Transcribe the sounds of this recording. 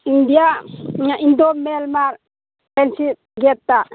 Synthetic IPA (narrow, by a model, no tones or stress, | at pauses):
indijaɲaʔind̪omɛlmaɾ | ɛnsi | ɡɛt̪ːa